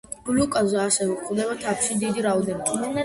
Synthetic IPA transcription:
blukʼazaʃɛviqʰʼd̪ɛbat̪ʰapʰʃid̪id̪iɾaɔd̪ɛnimɛnɛ

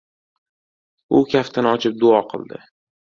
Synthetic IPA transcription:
ʊkʲʰaft̪ʰanɪɒt͡ʃʰɪp̚d̪ʊɒqʰɨ̰lˠd̪ɪ̰

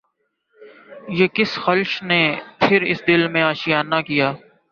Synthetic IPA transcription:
jeːkɪsxəlʃneːpʰɪɾɪ̰sd̪ɪlmẽːaːʃijaːnːakijaː

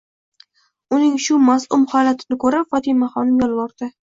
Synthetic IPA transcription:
ʊnɪŋʃʊmazʊmhɒlat̪ʰɪnɪkʰɵɾafɒt̪ʰɪmaχɒnɪmjɒlˠvɒɾd̪̥ɪ

